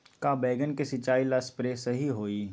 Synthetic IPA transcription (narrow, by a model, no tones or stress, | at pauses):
kaːbɛːɡənkesɪt͡ʃaːilaspɾeːsɐɦiɦoːiː